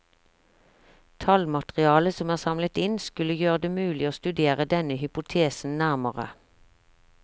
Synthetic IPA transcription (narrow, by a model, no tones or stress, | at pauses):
t̪ʰɑlmɑt̪ʁɪɑːləsɔmæːʁsɑmlət̪ɪnskʉləjøːʁəd̪eːmʉːlɪoːst̪ʉd̪eːʁəd̪ɛnəhʏpʊt̪ʰeːsn̩næʁməʁə̰